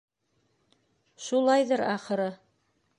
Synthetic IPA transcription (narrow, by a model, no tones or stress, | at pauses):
ʃulˠɑjðɤɾɑχɤ̆ɾɤ